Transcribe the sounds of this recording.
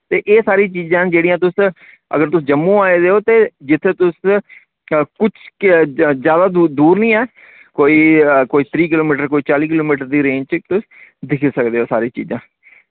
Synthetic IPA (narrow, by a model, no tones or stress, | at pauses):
t̪eːʔeːsaːɾiːt͡ʃiːzãːd͡ʒeːɽijãːt̪ʊs | ə̰ɡəɾt̪ʊsd͡ʒəmːũːaːeːd̪eːoːt̪eːd͡ʒɪt̪ʰːeːt̪ʊs | kʊt͡ʃʰ | zjaːd̪aːd̪uːɾnĩːɛː | koːiːkoːiːt̪ʰɾiːk̬ɪloːmiːʈəɾkoːiːt͡ʃaːliːk̬ɪloːmiːʈəɾd̪iːɾẽːɲd͡ʒt͡ʃt̪ʊs | d̪ɪkʰeːsək̚d̪eːoːsaːɾiːt͡ʃḭːzãː